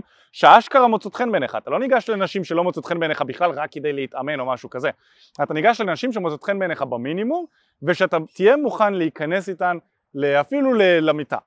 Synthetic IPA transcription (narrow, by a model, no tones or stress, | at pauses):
ʃeaʃkaʁamot͡sot̪χe̞nbeneχa̰ːt̪alo̞niɡaʃlenaʃimʃe̞lo̞mot͡sot̪χenbeneχabiχlalʁakːed̪ejleitame̞no̞maʃukaze̞ | at̪aniɡaʃlenaʃimʃ̬emot͡sotχenbeneχabaminimum | veʃeat̪atije̞muχanleikane̞sitan | leafilulelamita̰